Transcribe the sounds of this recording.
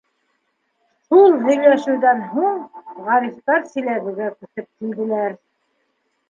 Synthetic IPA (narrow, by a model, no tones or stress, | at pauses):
ʃulˠɦɵ̆jlæʃɘ̆wðænɦuɴʁɑɾift̪ɑɾsĭlæβɘ̆ɡækɵ̆sɤp̚kild̪ɘ̆læɾ